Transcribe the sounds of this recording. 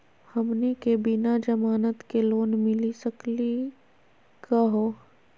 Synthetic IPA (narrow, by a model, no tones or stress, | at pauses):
hɐmnekebɪnad͡ʒɐmaːnət̪keloːnmɪlisəkli | kəɦoː